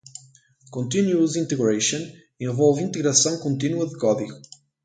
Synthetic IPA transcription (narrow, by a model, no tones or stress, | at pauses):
kɔ̃nt̪ĩnjuəzĩnt̪ɛɡɹeʃɔ̃n | ĩnvɔlˠvĩnt̪ɪɡɾasɔ̃nkɔ̃nt̪ĩnjuətɡɔdik